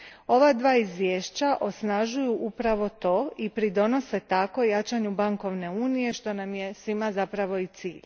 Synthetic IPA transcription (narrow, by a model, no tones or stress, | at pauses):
o̞ʋad̪ʋaːizʋje̞ːʃt͡ɕaʔo̞snaʒujuʔupɾaʋo̞t̪o̞ːipɾid̪o̞no̞se̞t̪ako̞jat͡ʃaɲubaŋko̞ʋne̞uːnije̞ʃt̪o̞namjesʋimazapɾaʋo̞it̪sḭːʎ